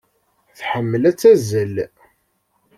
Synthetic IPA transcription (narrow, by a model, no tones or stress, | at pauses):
θħəmːəlæt͡sːæzəl